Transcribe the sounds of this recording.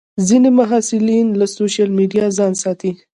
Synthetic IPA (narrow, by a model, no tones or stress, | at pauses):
zinemʊɦɑsɪlinlasoʃalmiɖijɑzɑnsɑt̪i